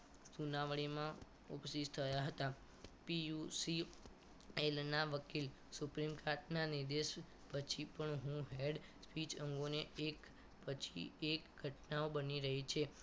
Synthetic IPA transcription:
sunaʋɭimã | upsid͡ʒt̪ʰəjaɦət̪a | pijusi | elnaʋəkil | supɾimkaɾʈnaniɾd̪eʃ | pət͡ʃʰipəɳɦũɦeɖspit͡ʃəŋɡoneʔek | pət͡ʃʰḭekɡʱəʈnaobəniɾəɦit͡ʃʰe

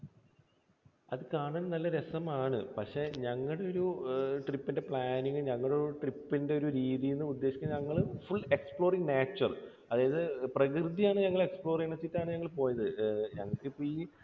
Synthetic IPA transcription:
ɐðɨkaːɳɐnnɐlːɐɾesɐmaːɳɨpɐkʂe̞ɲɐŋːɐɽe̞o̞ɾuʈripːinde̞pɭaːniŋɐɲɐŋːɐɭɽeɾuʈripːinde̞o̞ɾuɾiːðijunːɨud̪ːe̞ːʂit͡ɕʲːɐɲɐŋːɐɭfuɭe̞kspɭo̞ːriŋneːt͡ɕːɐr | ɐðaːjɐðɨprɐkrɨd̪ijaːɳɨɲɐŋːɐɭe̞kspɭo̞ːriŋnɐt͡ɕːitːaːɳɨɲɐŋːɐɭp̬o̞ːjɐðɨɲɐ̰ŋːɐɭkɨpːoiː

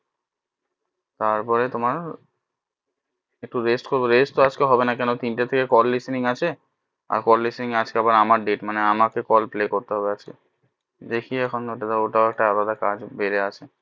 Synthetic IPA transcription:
t̪aɾpɔɾet̪omaɾ | ek̚ʈuɾesʈkoɾbeɾesʈt̪oad͡ʑkeɦɔbenakɛnot̪inʈat̪ʰekekɔlːisniŋat͡ɕʰe | a̰ɾkɔlːisniŋad͡ʑkeabaɾamaɾɖeʈmaneamakekɔlplekoɾt̪eɦɔbead͡ʑke | d̪ekʰiɛkʰonoʈad̪aoʈaoɛk̚ʈaalad̪akad͡ʑbeɾeat͡ɕʰe

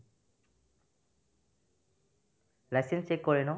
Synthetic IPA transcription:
lajsensekːɔɹenɔ

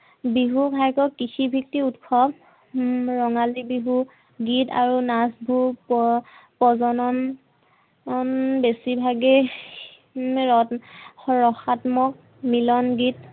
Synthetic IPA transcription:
biɦubʱajkɔkːixʰibʱik̚tiutkʰɔb | ɹɔŋalibiɦu | ɡita̰ɹunasbʱuppɔzɔnɔn | nbesibʱaɡɛ | ɹɔxatmɔk̚ | milɔnɡit

